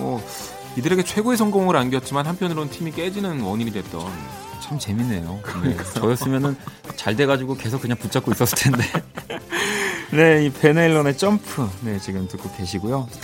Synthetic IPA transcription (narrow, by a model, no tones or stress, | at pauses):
mʌ | idɯɾe̞ɡe̞t͡ɕʰwe̞ɡoesʰʌŋɡoŋɯɾanɡjʌt̚t͡ɕ͈imanɦampʰjʌnɯɾonɯntʰimik͈e̞d͡ʑinɯnwʌɲiɾidwe̞t̚t͈ʌ̰n | t͡ɕʰamt͡ɕe̞minːe̞̰joneʌjʌs͈ɯmjʌnɯn | t͡ɕaɭde̞ɡad͡ʑiɡoke̞sʰok͈ːɯɲaŋput͡ɕ͈ʰak͈ois͈ʌs͈ɯɭtʰe̞nde̞ | ne̞ipʰe̞neɭːone̞t͡ɕ͈ʌmpʰɯne̞t͡ɕiɡɯmtɯk͈ʰːoke̞ɕʰiɡojo